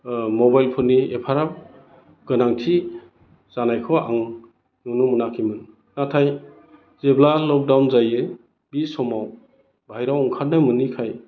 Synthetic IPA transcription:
mɔbajlpʰɔnːiepʰaɾap̚ | ɡ̥ɯnaŋtʰi | z̥anajkʰɔa̰ŋ | nunumɯnakʰimɯn | natʰaj | zeblalɔk̚dawnzajɯ | bisɔmaw | bʱajɾawɔŋkʰaɾnajmɯnːikʰaj

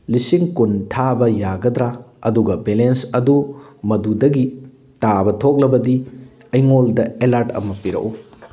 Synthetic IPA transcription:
lisiŋkuntʰabɐjaɡɐdɾaɐduɡɐbelensɐdumɐdudɐɡi | tabɐtʰok̚lɐbɐdi | ɐjŋoldɐelaɾtɐ̰mɐpiɾɐ̰ʔu

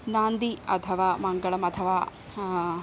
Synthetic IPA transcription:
naːnd̪iɐ̰t̪ʰɐʋaːmɐŋɡɐɭɐmɐt̪ʰɐʋaː

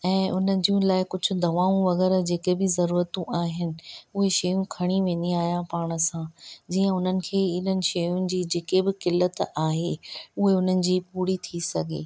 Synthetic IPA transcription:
ɛ̃ːʔʊn̤əd͡ʑijũlaːɪkʊd͡ʑʱʊ̆d̪ɐʋaːũʋɐɣɛːɾd͡ʑeːkebɪzɐɾuːɾət̪ũʔaːɦɪnɪ̆ʊɦeʃɐjũkʰɐɽ̃iʋẽːnd̪iaːɦijãpaːɽ̃ə̆sãd͡ʑiːə̃ʊn̤ənɪ̆kʰeːɪn̤ənɪ̆ʃɐjʊnɪ̆d͡ʑiːd͡ʑeːkebɪkɪlːət̪aːɦeʊɦeʊn̤ənɪ̆d͡ʑiːpuːɽit̪ʰisɐɡʱḛː

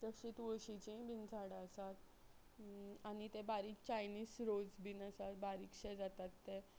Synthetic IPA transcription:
t̪əɕit̪ʋəɕit͡ɕĩbind͡zʱaɽaəsat̪ | añit̪ebaɾiːk̚t͡ɕajniːsɾod͡zbinəsat̪̚baɾiːkɕɛd͡zat̪at̪ːe

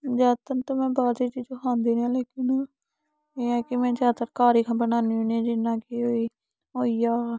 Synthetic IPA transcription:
d͡ʒaːt̪ənt̪oːmɛ̃ːbaːd͡ʒiːt͡ʃiːd͡ʒokʰãːnd̪iːnãːleːkɪn | eːɛːkɪmɛ̃ːd͡ʒaːt̪əɾkaːɾiːkʰãːbənaːniũːnẽːd͡ʒɪnːãːkɪoːiː | oːiːjaː

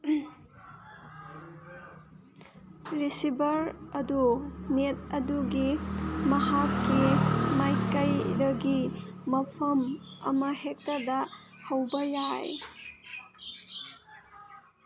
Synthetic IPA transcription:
ɾisibɐɾɐdunet̚ɐduɡimɐɦakːimajkɐjdɐɡimɐpʰɐmɐ̰mɐhek̚tɐdɐhɐwbɐjaj

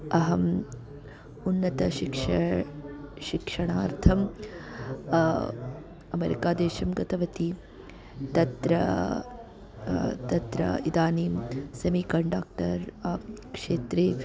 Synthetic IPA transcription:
ɐɦɐm | unːɐt̪ɐʃikʂ | ʃikʂɐɳaːɾt̪ʰɐm | ɐmeɾḭkaːd̪eːʃɐmɡɐt̪ɐʋɐt̪i | t̪ɐt̪ɾɐ | t̪ɐt̪ɾɐ̰id̪aːniːmsɐmiːkɐɳɖaːk̚ʈɐɾakʂeːt̪ɾeː

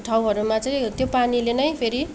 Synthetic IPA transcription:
ʈʰaw̃ɦʌɾumat͡sʌj̃t̪jopanilenʌjpʰeɾi

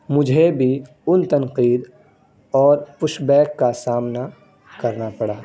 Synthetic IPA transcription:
mʊd͡ʒʱebʱi | ʊnt̪ɐnqiːd̪ | ɔːɾpʊʃbɛːkːasaːmna | kɐɾnapɐɽaː

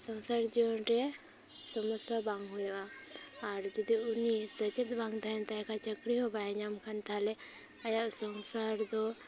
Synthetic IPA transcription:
səŋsaɾd͡ʒiwɔnɾɛ | səmɔsabaŋɦujaaɾd͡ʒɔd̪iunisət͡ʃet̪̚baŋt̪aɛnt̪aɛkʰat͡ʃəkɽiɦɔbajɲamkʰant̪ʰalɛ | ajaʔsəŋsaɾd̪ɔ

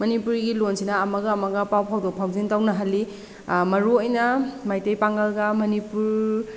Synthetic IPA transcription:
mɐnipuɾɡilonsinɐːmɐɡɐːmɐɡɐpawpʰawdok̚pʰawzintawnɐɦalːi | mɐɾuojnɐmajtejpaŋɡɐlɡɐmɐnipuɾ

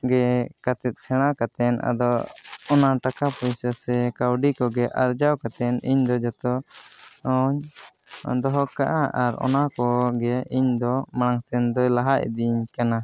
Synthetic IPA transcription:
ɡɛkat̪ɛt̪̚ˀsɛɽ̃akat̪ɛna̰d̪ɔɔnaʈakapɔjsasɛkawɖikɔɡɛʔaɾd͡ʒawkat̪ɛniɲd̪ɔd͡ʒɔt̪ɔ | ɔɲ | d̪ɔɦɔkaʔaʔaɾɔ̰nakɔɡɛiɲd̪ɔmaɽ̃aŋsɛnd̪ɔjlaɦaʔɛ̰d̪iɲkana

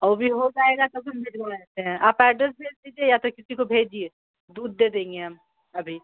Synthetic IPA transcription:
oːbʱiɦod͡ʒaːeɡat̪obʱɐmbʱɪd͡ʒbaɛt̪eɦɛ̃ʔaːpɛːɖɾɛsbʱeːd͡ʒd̪iːd͡ʒiejat̪okɪsikobʱeːd͡ʒie | d̪uːd̪̚ːed̪ẽːŋɡeam | ɐbʱi

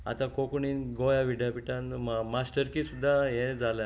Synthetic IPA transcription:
a̰t̪ãkokɳinɡojaʋiɽjapiʈãnmmasʈəɾkiːsud̪ʱːaɦẽd͡zala

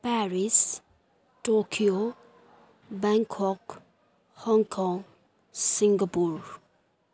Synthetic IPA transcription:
pɛɾis | ʈokʰio | bɛŋkʰɔk | hɔŋkʰɔŋ | siŋɡapuɾ

